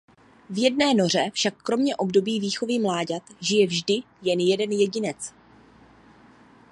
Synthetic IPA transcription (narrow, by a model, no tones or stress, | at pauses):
vjɛdnɛːno̞r̝ɛfʃakːɾo̞mɲɛʔo̞bdo̞biːviːxo̞vɪmlaːɟat̪ʒɪjɛvʒdɪ | jɛnjɛdɛnjɛɟɪnɛt͡s